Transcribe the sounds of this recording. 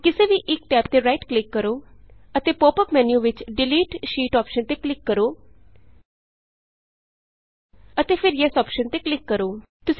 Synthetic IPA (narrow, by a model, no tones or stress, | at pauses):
kɪseːʋiːʔɪk̚ʈɛːp̚t̪eːɾaːɪʈklɪkːəɾoːət̪eːpoːpəpmɛːnjuːʋɪt͡ʃɖɪliːʈʃiːʈɔːpʃənt̪eːklɪkːəɾoː | ət̪eːpʰɪɾjɛːsɔːpʃənt̪eːklɪkːəɾoːt̪ʊs